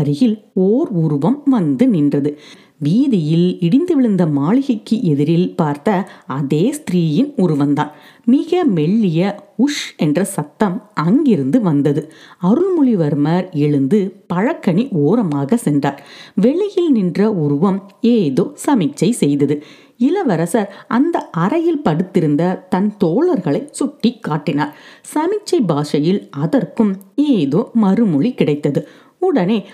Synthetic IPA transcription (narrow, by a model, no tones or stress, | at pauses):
ɐɾɪjɪloːɾʊɾʊʋɐmʋɐnd̪ɯnɪndrɐðɯ | ʋiːðɪjɪlɪɽɪnd̪ɯʋɪɭɯnd̪ɐmaːɭɪɣɐkːɯʔɛðɪɾɪlpaːɾt̪ɐɐðeːst̪ɾiːjɪnʊɾʊʋɐnd̪aːn | mɪɣɐmɛɭːɪjɐʊʂɛndrɐsɐt̪ːɐmɐŋɡɪɾɯnd̪ɯʋɐnd̪ɐðɯɐɾɯɭmʊɭɪʋɐɾmɐɾɛɭɯnd̪ɯpɐɻɐkːɐɳiʔoːɾɐmaːɣɐsɛndra̰ːɾʋɛɭɪjɪlnɪndrɐʊɾʊʋɐmeːðoːsɐmɪk̚t͡ʃːɐɪsɛjðɐðɯ | ɪlɐʋɐɾɐsɐɾʔɐnd̪ɐʔɐɾɐjɪlpɐɽɯt̪ːɪɾɯnd̪ɐt̪ɐnt̪oːɭɐɾɣɐɭɐɪsʊʈːikːaːʈːɪnaːɾsɐmɪk̚t͡ʃːɐɪbaːʂɐjɪlɐðɐrkɯmeːðoːmɐɾɯmʊɭikɪɽɐɪt̪ːɐðɯ | ʊɽɐneː